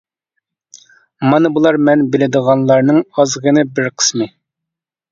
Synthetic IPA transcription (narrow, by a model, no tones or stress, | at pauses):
mɑnɨbulˠɑɾmɛnbɪlɪd̪əʁɑnlˠɑɾnɨŋɑzʁənɨbɪɾqʰə̥smɨ